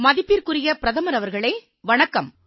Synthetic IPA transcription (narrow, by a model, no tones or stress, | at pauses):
mɐðɪpːɪɾkɯrɪjɐpɪɾɐðɐmɐɾɐʋɐɾɣɐɭeː | ʋɐɳɐkːɐm